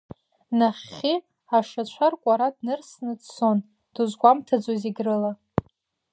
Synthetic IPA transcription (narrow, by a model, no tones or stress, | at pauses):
naχʲi | aʂat͡ɕʷʰarkʷʼaɾadnɨrsnɨdso̞n | d̥uzɡʷamtʰad͡zoziɡrɨla